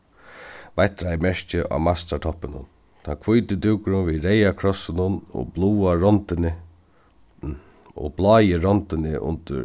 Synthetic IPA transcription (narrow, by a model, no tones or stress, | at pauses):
vajt̪ːɾaɪjmɛʂt͡ʃɪʔa̰ːmast̪at̪ʰɔpːɪnʊ̰n | t̪ʰankʰvujt̪ɪd̪ɪwkʊɾʊnviɾejakʰɾɔsɪnʊnɔ̰bluːaɾɔnt̪ɪnɪ | ɔ̰blɑːjɪɾɔnt̪ɪnɪʔʊ̰nt̪ə̰ɾ